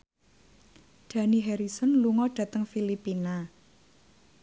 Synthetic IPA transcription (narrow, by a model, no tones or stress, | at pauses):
ɖ̪̥ä̤niɦɛɾisɔnluŋɔɖ̥a̤t̪əŋfilipina